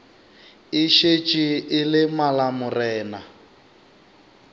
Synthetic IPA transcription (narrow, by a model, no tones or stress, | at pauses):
ɪʃet͡ʃʼiɪlɪmalamʊrɛːna